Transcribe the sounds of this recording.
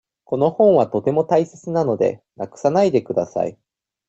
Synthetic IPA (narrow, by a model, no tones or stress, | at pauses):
ko̞no̞hõ̞ɰ̃βat̪o̞t̪e̞mo̞t̪aise̞t͡sɨnano̞d̪e̞̰nakɯ̟̥sanaid̪e̞kɯ̟d̪asa̰ḭ